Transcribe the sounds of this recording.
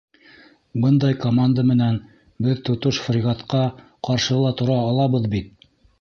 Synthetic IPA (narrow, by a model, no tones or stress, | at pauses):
bɤnd̪ɑjkomand̪amɘ̆næn | bɘðt̪ŏt̪ɤʃfrʲɪɣat̪qɑ | qɑɾʃɤlˠɑt̪ŏɾɑːlˠɑβɤðbit̪̚